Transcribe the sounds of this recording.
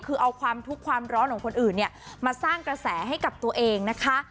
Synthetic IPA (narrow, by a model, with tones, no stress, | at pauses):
kʰɯː˧ʔa˧wkʰwaː˧mt̪ʰu˦˥kʰːwaː˧mɾɔː˦˥nkʰɔː˨˩˦kʰo˧nʔɯː˨˩nːi˥˩ɐmaː˧saː˥˩ŋkɾa˧sɛː˩˦ɦa˥˩jka˨˩p̚t̪u˧ɐʔeː˧ŋna˦˥kʰa˦˥